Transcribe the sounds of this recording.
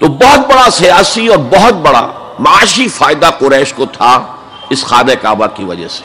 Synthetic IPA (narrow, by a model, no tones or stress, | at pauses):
t̪obɔɦɔt̪̚bɐɽasijaːsiɔːɾbɐɦʊt̪̚bɐɽa̰ | mɐaːʃifaːɪd̪aqʊɾɛːʃkot̪ʰa | ɪsxaːneka̰ːbakiʋɐ̰d͡ʒɛ̰se̥